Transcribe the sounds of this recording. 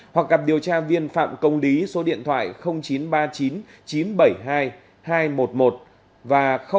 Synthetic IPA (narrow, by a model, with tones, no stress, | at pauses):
hwa˨˩k̚ɣa˨˩p̚ɗi˨˩əwt͡ɕaː˧vi˧ənfa̰ː˧˨mkə˧wŋ͡mli˨˦so˨˦ɗḭ˧˨ənt̪ʰwa̰ː˧˨jxə˧wŋ͡mt͡ɕi˨˦nɓaː˧t͡ɕi˨˦n | t͡ɕi˨˦nɓə˧˩jɦaː˧j | haː˧jmo˨˩t̚mo˨˩t̚ | vaː˨˩xə˧